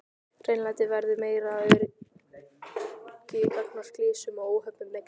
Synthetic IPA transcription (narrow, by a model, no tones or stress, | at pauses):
r̥eːjnlant̪ɪvɛɾðʏmeːjɾaʏɾ | cɪipœknɔr̥klɪːsʏmɔoːwɦœpnʏmːɛk